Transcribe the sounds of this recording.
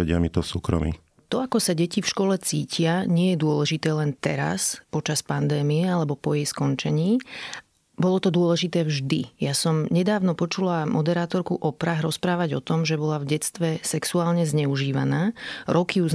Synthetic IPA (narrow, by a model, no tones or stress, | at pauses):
ɛɟɪamit̪ɔfsuːkɾɔ̰mḭ | t̪ɔakɔsaɟɛcifʃkɔlɛt͡siːcʰɪaɲɪɛjɛd̪ʊɔlɛʒit̪ɛːlɛnt̪ɛɾa̰spɔt͡ʃaspand̪ɛːmiɛalɛbɔpɔjɛjskɔnt͡ʃɛɲiː | bɔlɔt̪ɔd̪ʊɔlɛʒit̪ɛːvʒd̪ijasɔmɲɛd̪aːʊnɔpɔt͡ʃulamʔɔd̪ɛɾaːt̪ɔɾkuʔɔpɾaɦɾɔspɾaːʋaɟɔt̪ɔmʒɛbɔlavɟɛt͡st̪ʋɛsɛksuaːlɲɛzɲɛuʒiːʋa̰naːɾɔkiuz